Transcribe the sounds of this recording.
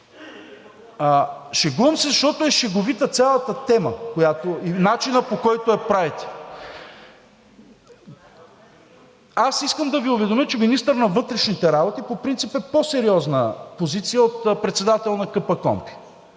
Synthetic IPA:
ʃɛɡəmsizɐʃt̪ɔt̪ʊɛʃɛɡovit̪ət̪sʲalˠət̪ət̪ɛməkojat̪oinat͡ʃinəpokɔjt̪ʊɛpɾavit̪ɛ̥ | asiskəmd̪ɐviovɛd̪omʲət͡ʃɛminist̪əɾnɐvɤt̪ɾɛʃnit̪ɛɾabot̪ipopɾint̪sipɛposɛɾiɔznəpozit̪sijəot̪pɾɛt̪sɛd̪at̪ɛlˠnɐkɤpəkɔ̰mpi̥

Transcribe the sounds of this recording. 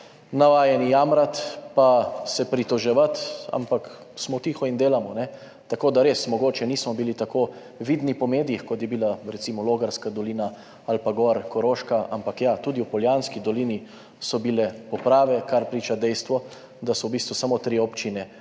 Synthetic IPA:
naʋaːjɛnijamɾat̪pasɛpɾit̪ɔʒɛʋat̪a̰mpak | smɔt̪iːxɔind̪eːlamɔnɛ | t̪akoːd̪aɾeːsmɔɡoːt͡ʃɛniːsmɔbilit̪akoː | ʋiːd̪nipɔmeːd̪ijixkɔt̪jɛbilaɾɛt̪simɔloːɡaɾskad̪ɔliːna | alpaɡɔɾkɔɾoːʃkaʔampakjat̪uːd̪iwpɔljanskid̪ɔliːni | sɔbilɛpɔpɾaːʋɛkaɾpɾiːt͡ʃad̪ɛjst̪ʋɔ | d̪asɔwbiːst̪ʋusamoːt̪ɾiɔpt͡ʃinɛ

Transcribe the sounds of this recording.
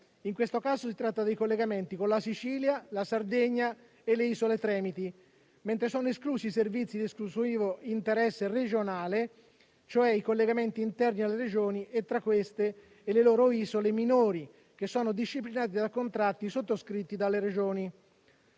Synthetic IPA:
iŋkwest̪okaːsosit̪ɾat̪ːad̪ejkolːeɡament̪ikonlasit͡ʃiːljalasard̪eɲːa | elːeiːsolet̪ɾɛːmit̪i | mɛnt̪ɾesɔːnoeskluːsiːservit̪sːid̪esklusiːvoint̪eɾɛsːered͡ʒonaːle | t͡ʃoɛikolːeɡament̪iːnt̪ɛrnialːeɾed͡ʒoːniʔet̪ːɾakːwest̪eː | lelɔːɾoiːzoleminoːɾi | k̟esːɔːnod̪iʃːiplinaːt̪̬id̪akːont̪ɾat̪ːisot̪ːoskɾit̪ːid̪alːeɾed͡ʒoːni

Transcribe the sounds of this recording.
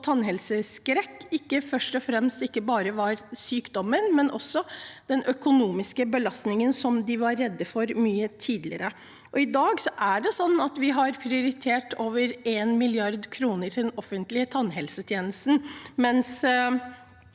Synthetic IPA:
t̪ʰɑnːɦɛlsəskɾɛkːɪkːəfœʂʈɔfɾɛmst̪ɪkːəbɑːɾəʋɑɾsyːkd̪ɔmːənmɛnʔɔsːɔd̪̥ɛnœkʊnuːmɪskəbəlɑst̪nɪŋənsɔmd̪ɪʋɑɾːɛd̪ːəfɔɾmyːət̪ʰiːd̪lɪ̰əɾə | ʔɔɪd̪ɑːɡsɔʔæɖɛsɔnːɑt̪ʋɪɦɑɾpʰɾɪʊɾɪt̪ʰeːʈʰoːʋəɾeːnmɪlɪɑɾd̪kʰɾuːnəɾd̪ɛnɔfːənt̪lɪət̪ʰɑnːɦɛlsət̪ʰjeːnəst̪n̩mɛns

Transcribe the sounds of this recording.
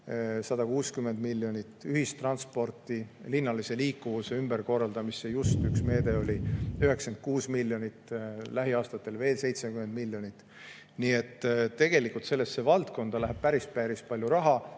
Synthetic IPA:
sɑd̪ɑkuːskyme̞nd̪milːjo̞nʲit̪ːˑyɦist̪rɑnspo̞rt̪ːˑilinːɑlise̞liːkːuvuse̞ymb̥erko̞rːɑld̪̥ɑmisːe̞just̪yksme̞ːd̪e̞o̞lʲiyɦe̞kse̞nd̪̚kuːsmilʲːjo̞nʲit̪ːlæɦiɑːst̪ɑt̪ːe̞lve̞ːlse̞jt̪sekyme̞nd̪̚milʲːjo̞nʲit̪ː | nie̞t̪ːt̪ːe̞ɡ̥e̞likult̪se̞lːe̞stːe̞vɑlt̪ko̞nd̪̥ɑlæɦæb̥̚pæɾispæɾispɑlʲjuɾɑɦɑ

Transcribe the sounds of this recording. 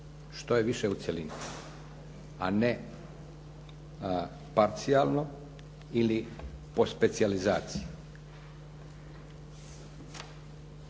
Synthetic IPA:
ʃt̪o̞jeʋiʃeut̪selini | ane | paɾt̪sialno | ilipo̞spe̞t̪sializaːt̪siji

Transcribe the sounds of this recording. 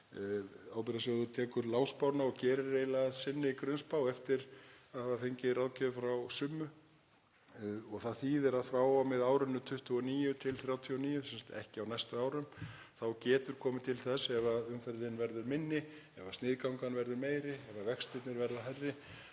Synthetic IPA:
awpɛɾasɛaθut̪ʰɛːkʏɾlaːwspawnaɔɣcɛːɾɪreːjlaðsɪnːɪkɾʏnspaːwɛft̪ɪɾaðhavafejɲcɪrawcɛðʏfɾawsʏmːʏ | ɔɣθaðθiːðɪɾaðfɾaːwamɪðaːwɾʏnːʏt̪ʰʏht̪ʏɔniːjʏt̪ʰɪlθɾjaːwt̪ʰiɔniːjʏsɛnsḁt̪ɛhcɪawnɛjst̪ʏaːwɾʏm | θawcɛːt̪ʏɾ̥kʰɔːmɪt̪ʰɪlθɛsɛvaʏmfɛɾðɪnvɛɾðʏɾmɪnːɪ | ɛ̰vast̪nɪːðkawŋkanvɛɾðʏɾmeːjɾɪɛvavɛkst̪ɪt̪nɪɾvɛɾðaɦajrːɪ

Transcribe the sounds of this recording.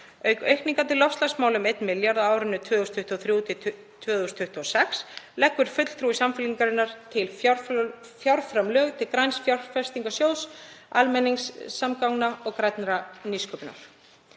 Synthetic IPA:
œɥkœɥhkniŋkat̪ʰɪlːɔfst̪lasmaːwlʏmejt̪nmɪljaɾðaaːwɾɪnːʏt̪ʰvœːðʏst̪ʰʏht̪uɔθɾjuːt̪ʰɪ | t̪ʰvœːðʏst̪ʰʏht̪uɔsɛkslɛhkvʏɾ̥fʏt̪l̥θɾuːisamfɪliŋkaɾɪnːaɾ̥t̪ʰɪl | fjawɾfɾamlœːɣt̪ʰɪlkɾajnsfjaɾfɛ̥st̪iŋkasjoːwsalmɛnːiŋsːamkawŋnaɔɣkɾajt̪nɾaniskœpna̰ɾ̥

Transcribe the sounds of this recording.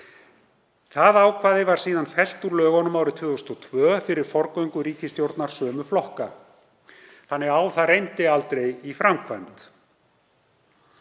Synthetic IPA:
θaðawkʰvaːðɪvaɾ̥siːðanfɛl̥t̪ulœːɣɔnʏmawɾɪt̪ʰvʏːʏst̪ɔt̪ʰvœːfɪɾɪɾ̥fɔɾkœɥjŋkʏɾiːt̪ʰist̪jowɾt̪naɾ̥sœːmʏflɔhka | θanːɛɣawθaɾejnt̪ɪalt̪ɾejifɾamkʰvant̪

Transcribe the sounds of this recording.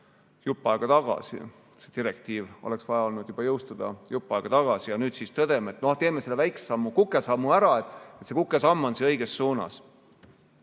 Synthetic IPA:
jupːˑɑeɡ̥ɑt̪ɑɡ̥ɑ̰sḭ | sed̪iɾekt̪iːvo̞̰le̞ksvɑjɑo̞lnud̪̥jubɑjɤwst̪ud̪̥ɑ̰jupˑːɑjɡ̥ɑt̪ɑɡ̥ɑsijɑnyːd̪̥sist̪ɤd̪̥e̞meet̪ːˑnoht̪e̞ːme̞selːevæjksɑmːukukːˑe̞sɑmːuæɾɑe̞t̪ːˑet̪se̞kukːˑe̞sɑmːo̞nsiɤ̞jɡ̥e̞sːuːnɑ̰s

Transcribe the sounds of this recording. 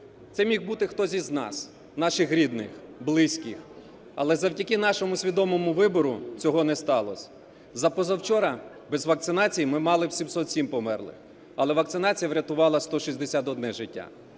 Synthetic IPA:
t̪sɛmʲixbut̪ɪxt̪ɔzʲiznɑ̰s | nɑʃɪxɾʲid̪nɪ̰xblˠɪsʲkɪx | ɐ̰lˠɛzɐwtʲɐkɪnɑʃɔmʊsʲʋʲid̪ɔmɔmʊʋɪbɔɾʊt͡sʲɔɦɔnɛst̪ɑlˠɔ̰sʲ | zɐpɔzɐwt͡ʃɔɾɐ | bɛzʋɐk̚tsɪnɑt͡sʲijimɪmɑlˠɪwsʲimsɔt̪sʲimpɔmɛ̰rlˠɪ̰x | ɐlˠɛʋɐk̚t̪sɪnɑt͡sʲijɐʋɾʲɐt̪ʊʋɑlˠɐst̪ɔʃizʲd̪esʲat̪ɔd̪nɛʒɪtʲːa̰

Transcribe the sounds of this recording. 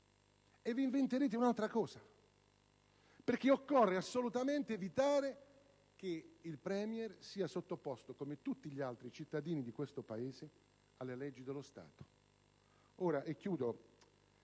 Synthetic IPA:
evːiiɱvent̪eɾeːt̪eunalt̪ɾakɔːza | perk̟iokːorːeasːolut̪ament̪eːvit̪aːɾe | k̟eilpɾɛːmjɛrsiːasot̪ːopːɔst̪okomet̪ut̪ːiʎialt̪ɾit͡ʃit̪ːad̪iːnid̪ikwest̪opaeːze | alːelɛd͡ʒːid̪elːost̪a̰ːt̪o̥ | oːɾaʔɛkːjuːd̪o

